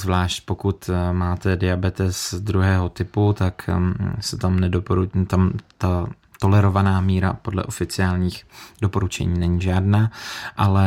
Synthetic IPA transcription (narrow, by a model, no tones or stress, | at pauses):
zvlaːʃcpo̞kut̪maːt̪ɛdɪabɛt̪ɛsd̪ɾuɦɛːɦo̞t̪ɪput̪aksɛt̪amnɛdopoɾut̪amt̪a | t̪o̞lɛɾo̞vanaːmiːɾa̰po̞dlɛ̰ʔo̞fɪt͡sɪaːlɲiːxdopo̞ɾut͡ʃɛ̰ɲiːnɛɲiːʒaːdnaːʔalɛ